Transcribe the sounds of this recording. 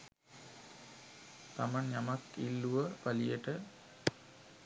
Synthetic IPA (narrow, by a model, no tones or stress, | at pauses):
t̪amanjamakilːuʋəpalijəʈə